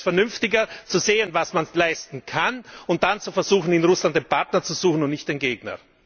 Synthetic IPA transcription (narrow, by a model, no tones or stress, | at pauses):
fɛɐnʏnftɪɡɐt͡suzeːənvasmanlaɪstn̩kʰanʊnt̚d̥ant͡sufɛɐzuːxn̩ɪnʁʊslant̚d̥eːnpʰaɐtnɐt͡suz̥uːxn̩ʊntnɪçt̚d̥eːnɡeːɡnɐ̰